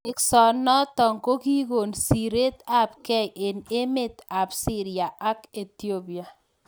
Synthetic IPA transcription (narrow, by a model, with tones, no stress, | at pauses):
ɪ˦ksɔ˨nɔ˦tɔ˨ŋko˦ki˦ɡo˨nsi˨ɾe˦t̪a˦p̚kɛ˦ʔe˨ne˦me˦˨t̪a˨psi˦ɾi˨a˨ʔa˦ke˨t̪i˦o˦bi˨a˨